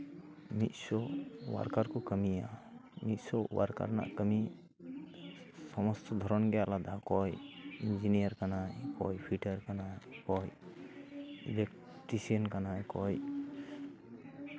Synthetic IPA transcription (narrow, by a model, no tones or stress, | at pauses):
mit̪̚sɔwa̰ɾkaɾkɔkəmija̰mit̪̚sɔwa̰ɾka̰ɾna̰ʔkəmi | sɔmɔst̪ɔd̪ʱɔɾɔnɡɛalad̪ʱakɔjind͡ʒinijaɾkanajkɔjpʰiʈəɾkanajkɔj | ibek | ʈisiənkanajkɔj